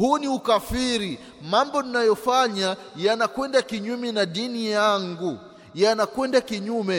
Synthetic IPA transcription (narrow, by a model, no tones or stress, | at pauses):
huniukafiɾi | mambɔninajɔfaɲa | janakwɛndakiɲumɛnaɗinijaŋɡu | janakwɛndakiɲumɛ